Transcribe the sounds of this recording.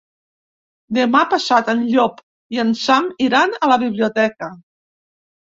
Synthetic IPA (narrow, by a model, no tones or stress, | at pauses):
d̪emapasat̪ənʎɔp | iənsamiɾanələβiβ̞liut̪ɛkə